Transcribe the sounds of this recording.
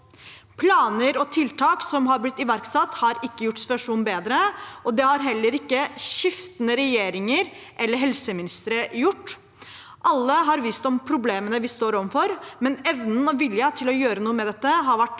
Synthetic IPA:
pʰlɑːnəɾɔt̪ʰɪlt̪ʰɑːksɔmɦɑɾblɪt̪ːɪʋæɾksɑt̪ːhɑɾɪkːəjʊʈːsɪ̥t̪ʋɑʂuːnbeːd̪ɾəʔɔd̪ɛhɑɾɦɛlːəɾɪkːəɕɪft̪ənəɾɛjeːɾɪŋəɾ | ʔɛlːəɾɦɛlsəmɪnɪst̪əɾəjʊʈː | ʔɑlːəɦɑɾʋiːst̪ɔmpʰɾʊbleːmənəʋɪst̪oːɾɔʋnfɔɾmɛnɛʋnn̩ɔʋɪljət̪ʰɪlɔjøːɾənuːəmɛd̪ɛt̪ːəɦɑɾʋæʈː

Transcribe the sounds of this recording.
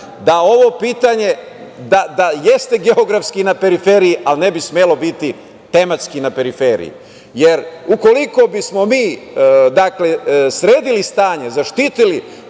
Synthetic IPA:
d̪ao̞ʋo̞piːt̪aɲe̞ | d̪ad̪ajest̪e̞ɡeoɡɾafskinape̞ɾifeɾijiʔalnebismelo̞bit̪i | t̪e̞mat̪skinape̞ɾifeɾḭjḭ | jeɾuko̞liko̞bismo̞miːd̪akle̞sɾeːd̪ilist̪aːɲezaʃt̪it̪ili

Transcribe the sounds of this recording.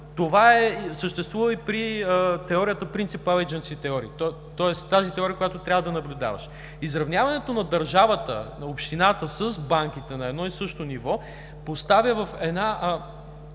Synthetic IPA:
t̪ovaɛsəʃt̪ɛst̪vuvəipɾiət̪ɛɔɾijət̪əpɾint̪sipavɛd͡ʒɛnskit̪ɛɔɾḭːt̪ | t̪ɔɛst̪ːazit̪ɛɔɾiəkojat̪ot̪ɾʲavəd̪ɐnɐblʲʊd̪a̰vɐ̰ʃ | izɾɐvnʲjavɐnɛt̪onɐd̪ɐɾʒavət̪ə̰opʃt̪inat̪əsəzbaŋk̟it̪ɛnɐɛd̪nɔisɤʃt̪onivɔ | post̪avʲjəvɐfɛd̪na

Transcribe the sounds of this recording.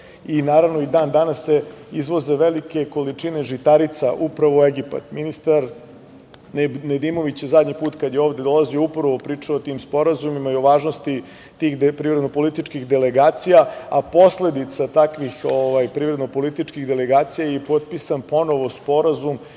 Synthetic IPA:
inaːɾaʋno̞id̪aːnd̪anasːeizʋo̞ze̞ʋelike̞ko̞lit͡ʂine̞ʐit̪aɾit̪saʔupɾaʋo̞eɡipa̰t̪minist̪aɾ | ned̪imo̞ʋit͡ɕjezad̪ɲipuːt̪kad̪jeo̞ːʋvd̪e̞d̪o̞lazijoupɾaʋo̞pɾiːt͡ʂaoːt̪iːmspo̞ɾazumimaio̞ʋaːʒno̞st̪i | t̪iːxpɾivɾed̪nopolit̪it͡ʂkixd̪e̞leɡaːt̪sijaapo̞sle̞d̪it̪sat̪akʋixoʋajpɾivɾe̞d̪nopo̞lit̪it͡ʃkiɣd̪eleɡaːt̪sijajepot̪̚pisanpo̞no̞ʋo̞spo̞ɾazum

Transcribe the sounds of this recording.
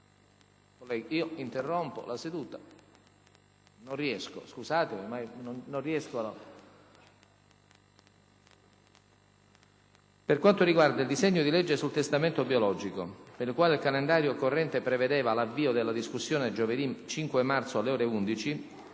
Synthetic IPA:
kolɛiːoint̪erːompo̰lased̪uːt̪a | nonriɛsko̰skusaːt̪eomajnonnonriɛskol | perkwant̪oriɡward̪aild̪iseɲːod̪iled͡ʒːesult̪est̪ament̪objolɔd͡ʒikopeɾilkwaːleilkalend̪aːɾjokorːɛnt̪epɾeved̪ɛːvalavːiːod̪elːad̪iskusːjoːned͡ʒoved̪it͡ʃiŋkweɛmːart̪soalːeɔːɾeund̪it͡ʃi

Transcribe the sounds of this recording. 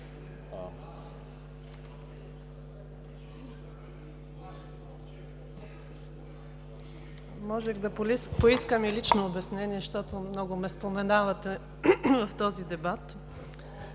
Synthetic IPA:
mɔʒɛɣd̪ɐppoiskəmilit͡ʃnoːbɛsnɛniɛʃt̪ɔt̪omnɔɡʊmɛspomɛnavɐt̪ɛ | vɐft̪ɔzid̪ɛbat̪

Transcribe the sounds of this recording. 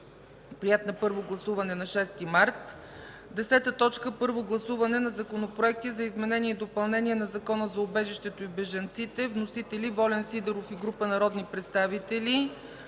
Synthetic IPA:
pɾijɛt̪nɐpɤɾvoɡlˠɐsuvɐnɛnɐʃɛst̪imaɾt̪ | d̪ɛsɛt̪ət̪ɔt͡ʃkəpɤɾvoɡlˠɐsuvɐnɛnɐzɐkonopɾoɛk̚t̪izɐizmɛnɛniɛid̪opɐlˠnɛniɛnɐzɐkɔnəzɐobɛʒiʃt̪ɛt̪oibɛʒɐnt̪sit̪ɛvnosit̪ɛlʲivɔlɛnsid̪ɛɾofiɡɾupənɐɾɔd̪nipɾɛt̪st̪avit̪ɛli

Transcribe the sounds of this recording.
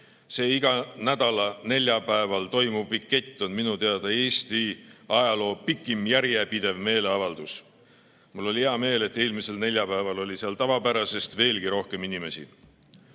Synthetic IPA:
se̞ːiɡ̥ɑnæd̪̥ɑlɑne̞lʲjɑpæevɑlt̪o̞jmuvpikːe̞t̪ʲˑːo̞nminut̪eɑd̪̥ɑe̞ːst̪iɑjɑlo̞ːpikːˑimjæɾjepid̪e̞vme̞ːle̞ɑvɑld̪̥us | mulːo̞lʲiheɑme̞ːle̞t̪ːˑe̞ːlmise̞lne̞lʲjɑpæevɑlo̞lʲiseɑlt̪ɑvɑpæɾɑse̞st̪ve̞ːlɡiɾo̞hke̞minime̞sḭ

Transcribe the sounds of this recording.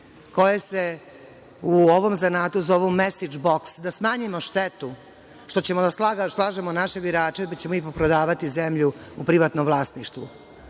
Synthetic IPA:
ko̞jese | uoʋo̞mzanaːt̪uzoʋumesid͡ʒboksd̪asmaːɲimoʃt̪et̪u | ʃt̪o̞t͡ɕe̞mod̪asaɡslˠaːʒemonaʃebiɾaːt͡ʃepat͡ɕemoipopɾod̪aːʋat̪izemʎuupɾiʋat̪nomvlˠaːsniʃt̪ʋu

